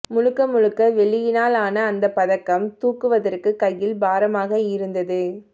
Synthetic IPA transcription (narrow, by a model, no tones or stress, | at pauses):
mʊɻɯkːɐmʊɻɯkːɐʋɛɭɪjɪnaːlaːnɐːnd̪ɐpːɐðɐkːɐmt̪uːkːɯʋɐðɐrkɯkɐjːɪlbaːɾɐmaːɣɐɪɾɯnd̪ɐðɯ